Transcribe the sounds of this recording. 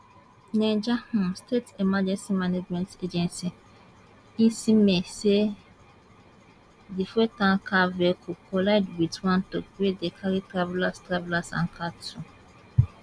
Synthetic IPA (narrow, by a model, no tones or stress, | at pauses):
nɛ̃d͡ʒahũmstʰetemad͡ʒɛ̃nsimaned͡ʒmɛ̃nted͡ʒɛ̃nsi | ĩnsimɛ̃se | difetãŋkʰavekʰukolaɪdwitwãntokwedekʰaɾitɾavɛlastɾavlasã̰ŋkʰatʰu